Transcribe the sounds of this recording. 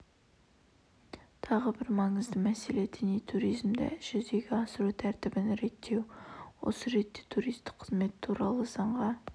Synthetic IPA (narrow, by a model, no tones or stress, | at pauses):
t̪ʰɑʁəbɪɾmɑɴəzd̪əmæse̞le̞d̪ɪnijt̪ʰuɾijzmd̪ɪ̰ʒ̥ʏzd̪e̞ɡʲɪɑsəɾut̪ʰæɾt̪ɪbɪnɾe̞t̪ʰːe̞wwo̞̰səɾe̞t̪ːe̞t̪ʰuɾijst̪ɪ̥qqʰːəzme̞t̪t̪ʰuɾɑlˠəzɑɴʁɑ